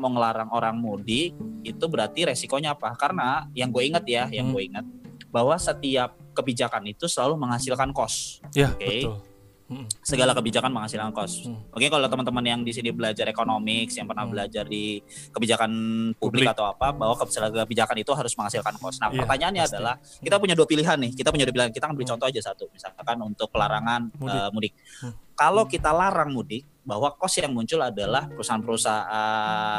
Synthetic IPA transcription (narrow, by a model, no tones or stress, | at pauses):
moŋəlaɾaŋoɾaŋmudɪit̪ubəɾart̪iɾesikoɲaːpakaɾənajaŋɡuaiŋət̪̚jajaŋɡuaiŋət̪̚bahwasət̪iap̚kəbid͡ʒakanit̪usəlaluməŋɦasɪlkankɔsoke | səɡalakəbid͡ʒakanməŋhasilkankɔsmuŋkɪnkalat̪əmənt̪əmənjaŋdisinibəlad͡ʒaɾekonomɪksjaŋpərnahbəlad͡ʒardikəbid͡ʒakanpublɪkat̪awapabaɦwakəsələbid͡ʒakanit̪uɦaɾʊsməŋhasilkankɔsnapərt̪aɲaːnɲaːdalahkit̪apuɲaduapiliɦanːɪhkit̪apuɲaduapilihankit̪akanbəlit͡ʃɔnt̪ɔhad͡ʒasat̪umisalkanunt̪ʊk̚pəlaɾaŋanəmudɪk̚kːalokit̪alaɾaŋmudɪk̚bahwakɔsjaŋmuɲt͡ʃʊladalahpəɾusaanpəɾusaʔa